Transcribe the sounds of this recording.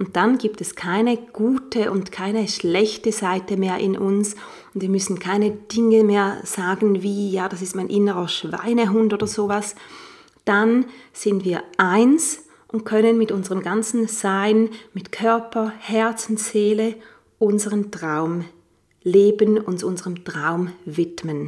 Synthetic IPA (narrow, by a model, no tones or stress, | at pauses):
ʔʊnt̚d̥anɡiːp̚tɛskʰaɪnəɡ̥uːtʰəʔʊntkʰaɪnəʃlɛçtəzaɪtəmeːɐʔɪ̰nʔʊns | ʊndv̥iːɐmʏsn̩kʰaɪnəd̥ɪŋəmeːɐz̥aːɡn̩viːjaːd̥asɪstmaɪnʔɪnəʁɐʃv̥a̰ɪnəɦʊntoːdɐzoːvas | d̥anz̥ɪntviːɐʔaɪns | ʔʊnt̚kʰœnənmɪtʔʊnzəʁəmɡant͡sn̩z̥aɪnmɪtkʰœɐpʰɐhɛɐt͡sn̩z̥eːlə | ʔʊnzəʁəmtʁ̥aʊm | leːbənʊnsʊnzəʁəmtʁ̥aʊmvɪtmən